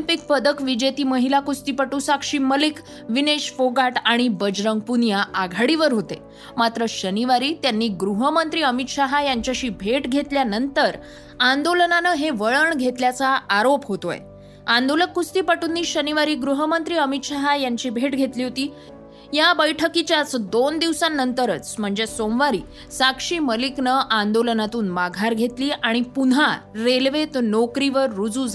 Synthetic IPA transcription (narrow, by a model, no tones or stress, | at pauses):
impik̚pəd̪əkʋid͡ʑet̪iːməɦilakust̪iːpəʈuːsakʂiːməlik | ʋineɕfoɡaʈaɽ̃ibəd͡ʑɾəŋɡ̚punjaʔaɡʱaɽiʋəɾɦot̪e | mat̪ɾəɕəniʋaɾiːt̪janːiːɡɾuɦəmənt̪ɾiːəmit̪ɕaɦajaɲt͡ɕjaɕiːbʱeʈɡʱet̪ljanənt̪əɾ | and̪olənanəːɦeʋəɭəɳɡʱet̪ljat͡saːɾopɦot̪o̰j̰ | and̪oləkkust̪iːpaʈunːiːɕəniʋaɾiːɡɾuɦəmənt̪ɾiːəmit̪ɕaɦajaɲt͡ɕiːbʱeʈɡʱet̪liːɦot̪iː | jabəjʈʰəkit͡ɕjat͡sd̪ond̪iʋsanːənt̪əɾət͡sm̤əɳd͡zesomʋaɾiː | sakʂiːməliknəʔand̪olənat̪uːnmaɡʱaɾɡʱet̪liːʔaɽ̃ipunɦaɾelʋet̪nokɾiʋəɾːud͡zuːd͡za